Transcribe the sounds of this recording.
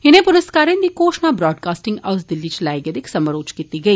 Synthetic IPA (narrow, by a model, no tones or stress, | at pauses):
ɪnẽːpʊɾɐskaːɾẽnd̪ikoːʃnaːbɾɔːɖkaːsʈɪ̃ŋɡɐʋsd̪ɪlːiːt͡ʃlaːjɡɐd̪ɪksɐmɐɾoːt͡ʃkit̪iɡɐiː